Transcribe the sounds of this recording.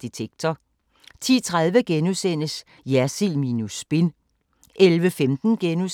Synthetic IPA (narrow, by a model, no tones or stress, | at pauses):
d̥it͡sʰeɡ̥̚t͡sʰɒ | t͡sʰḭːt͡sʰʁaðˠʋəɡ̥enusen̰əs | jæɐsilminusb̥e̝n | ʔelʋəfemd̥n̩ɡ̥enu